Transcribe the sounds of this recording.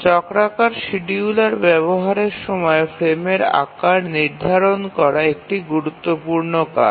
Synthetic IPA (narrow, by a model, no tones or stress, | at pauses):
t͡ɕɔkɾakaɾʃiɖiulaɾbɛβoɦaɾeɾʃɔmɔefɾemeɾa̰kaɾniɾd̪ʱaɾonkɔɾaek̚ʈiɡuɾut̪ːopuɾnoka̰